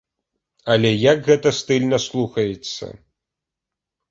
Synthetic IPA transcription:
ɐlʲɛjɐkɣɛt̪ɐst̪ɨlʲnɐslˠuxɐjɛt̪sːɐ̰

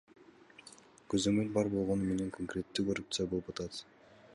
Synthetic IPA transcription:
køzø̞mø̞lbɑɾbo̞lˠʁo̞nume̞ne̞ŋkʰoŋkɾʲe̞t̪ːyːkorup̚t̪sɨjabolˠupd͡ʒɑt̪ɑt̪

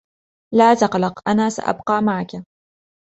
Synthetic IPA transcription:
laːt̪ɑqlɑqʔanaːsa̰ʔa̰bqɑːmaʕaka

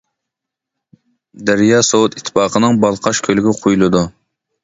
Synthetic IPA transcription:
d̪æɾjɑːsowut̪ʰit̪ʰːɪ̥pɑːqʰənɨŋbɑlˠqʰɑʃkʲʰølɪɡʲɪqʰojulˠɨd̪u

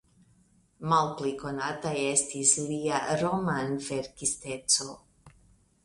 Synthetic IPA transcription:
malpliko̞nataje̞stisliaɾo̞manve̞ɾkiste̞t͡so̞

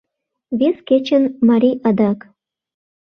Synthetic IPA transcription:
βesket͡ɕə̆nmɑɾʲiʔɑd̪ɑk

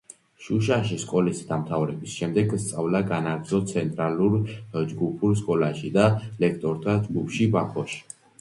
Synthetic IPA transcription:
ʃuʃaʃiskʼɔlisid̪amt̪ʰavɾɛbisʃɛmd̪ɛɡst̪sʼavlaɡanaɡ̪zɔt̪sʰɛnt̪ʼɾaluɾd͡ʒɡupʰuɾs̬kʼɔlaʃid̪alɛkʰt̪ʼɔɾt̪ʰad͡ʒɡupʰʃibakʰɔʃi̥

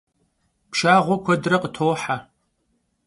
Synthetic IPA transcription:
pʃaːʁʷɔkʷʰɔdrɐqʼətʰoːħa

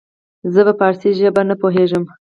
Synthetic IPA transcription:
zəbapɑɾsiʒəbanəpoɦeʒəm

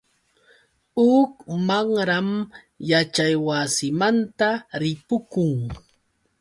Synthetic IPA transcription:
ʊkmaŋɾam | jat͡ʃajwasɪmant̪aɾɪpʊkʊŋ

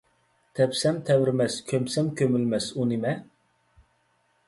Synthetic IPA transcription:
t̪ʰɛpsɛmt̪ʰɛwɾɪmɛskʲʰømsɛmkʲʰømylmɛsunimɛ

